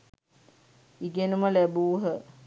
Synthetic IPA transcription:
iɡenuməlæbuːɦə

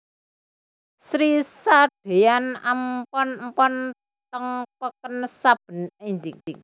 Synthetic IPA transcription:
sɾisaɖ̥e̤janampɔnmpɔn | t̪əŋpəkənsab̥ə̤niɲd͡ʒɪŋɪŋ

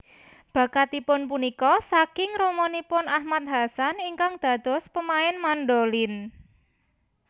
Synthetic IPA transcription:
b̥ä̤kat̪ipʊnpunikɔsakɪŋɾomɔnipʊnahmat̪̚ɦasaniŋkaŋd̪̥ä̤d̪̥ɔ̤spəmaɪnmanɖolɪn

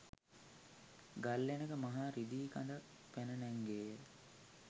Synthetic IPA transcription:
ɡalːenəkəmaɦaːɾid̪iːka̰nd̪ak | pænənɛŋɡeːjə

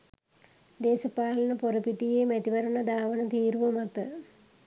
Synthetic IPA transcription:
d̪eːsɐpaːlɐnəpoɾəpit̪ijeːmæt̪iʋɐɾənəd̪aːʋənət̪iːɾuʋəmat̪ə

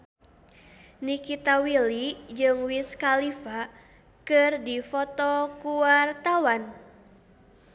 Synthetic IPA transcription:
nikit̪awilid͡ʒɨŋwiskalifa | kɨrdifɔt̪ɔkuwart̪awan

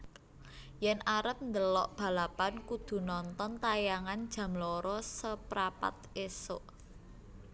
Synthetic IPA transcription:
jɛnʔaɾəp̚nd̪əlɔʔb̥ä̤lapankud̪̥ṳnɔnt̪ɔnt̪ajaŋand̥ʒ̥ä̤mlɔɾɔsəpɾapa̰t̪̚esoʔ

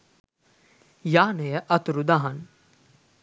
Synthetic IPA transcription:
jaːnejəʔɐt̪uɾud̪aɦɐn

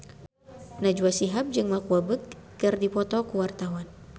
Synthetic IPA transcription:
nad͡ʒuwasiɦap̚d͡ʒɨŋmakuabəkːɨrdipɔt̪ɔkuwart̪awan

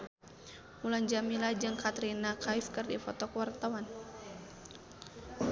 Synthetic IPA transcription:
muland͡ʒamilad͡ʒɨŋkat̪ɾinakajfkɨrdifɔt̪ɔkəwart̪awan

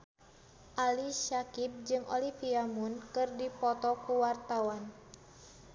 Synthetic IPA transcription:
ʔaliʃakip̚d͡ʒɨŋʔolifiamunkɨrdipɔt̪ɔkuwart̪awan

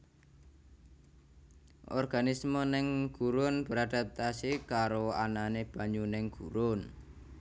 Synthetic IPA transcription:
ʔɔ̰rɡ̥anismonɪŋɡ̥uɾʊnb̥ə̤ɾad̥a̤p̚t̪asikaɾoananeb̥a̤ɲunɪŋɡ̥uɾʊn

